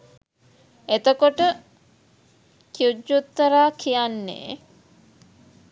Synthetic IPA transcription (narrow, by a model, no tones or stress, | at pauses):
et̪əkoʈə | kiud͡ʒːut̪ːɐɾaːkʰijanːḛː